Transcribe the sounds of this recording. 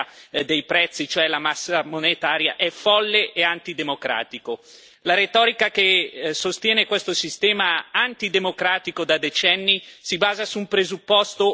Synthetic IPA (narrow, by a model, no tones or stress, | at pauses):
d̪ejpɾɛt̪sːit͡ʃoɛlamasːamonet̪aːɾja̰ʔɛfɔlːeʔeant̪id̪emokɾa̰ːt̪iko | laɾet̪ɔːɾikakesost̪jɛːnekwest̪osist̪ɛːmaant̪id̪emokɾaːt̪ikod̪ad̪et͡ʃɛnːisibaːzasumpɾezupːɔst̪o